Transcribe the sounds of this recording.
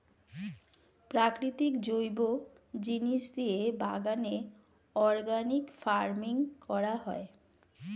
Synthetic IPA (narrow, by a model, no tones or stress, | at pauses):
pɾakɾit̪ikd͡ʑojbo | d͡ʑiniʃd̪iebaɡane | ɔɾɡanikfaɾmiŋkɔɾaɦɔe